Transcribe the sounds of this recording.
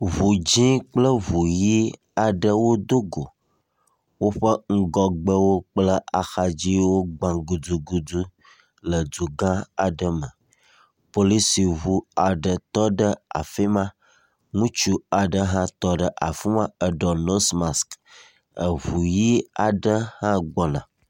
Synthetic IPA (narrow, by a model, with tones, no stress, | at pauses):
vu˨d͡ʑĩ˦k͡plə˦vu˨ji˦ | a˨ɖə˦wo˦d̪o˦ɡo˨ | wo˦ɸə˦ŋ̩˦ɡɔ˨ɡ͡bə˦wo˦k͡plə˦ʔa˨xa˨d͡ʑi˦wo˦ɡ͡bã˨ɡu˨d͡zu˨ɡu˨du˦ | lə˨d͡zu˨ɡã˦a˨ɖə˦mə˨ | po˦li˦si˨βu˦a˨ɖə˨t̪ɔ˦ɖə˦a̰˨fi˦mã˦ | ŋũ˦t͡ʃu˦a˨ɖə˦ɦã˦t̪ɔ˦ɖə˦ʔa̰˨fi˦mã˦ə˨ɖɔ˨no˦sma˨sk | ə˨βu˨ji˦a˨ɖə˦hã˦ɡ͡bɔ˨nã˨